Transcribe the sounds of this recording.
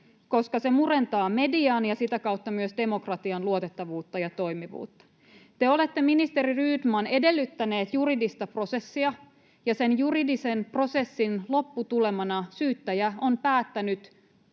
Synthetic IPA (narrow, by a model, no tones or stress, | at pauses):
ko̞skɑse̞mure̞nt̪ɑːme̞diɑnjɑsit̪ækɑwt̪ːɑmyøsde̞mo̞krɑt̪iɑnluot̪et̪ːɑʋuːt̪ːɑjɑt̪o̞imiʋṵːt̪ːɑ̥ | t̪eo̞le̞t̪ːe̞minist̪e̞ɾiryːdmɑne̞de̞lːyt̪ːæne̞ːt̪juridist̪ɑpro̞se̞sːiɑ | jɑse̞njuridise̞npro̞se̞sːinlo̞pːut̪ule̞mɑnɑsyːt̪ːæjæo̞mpæːt̪ːænyt̪